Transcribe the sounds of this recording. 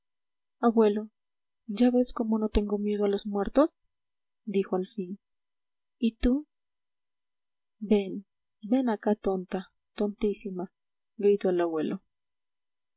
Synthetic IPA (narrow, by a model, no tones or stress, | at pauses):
aβwe̞lo̞ | d͡ʒaβe̞sko̞mo̞no̞t̪e̞ŋɡo̞mjeð̞oalo̞zmwe̞ɾt̪o̞s | d̪ixoalfin | it̪u | be̞n | be̞nakat̪o̞nt̪a | t̪o̞nt̪isima | ɡɾit̪oalaβwe̞lʔo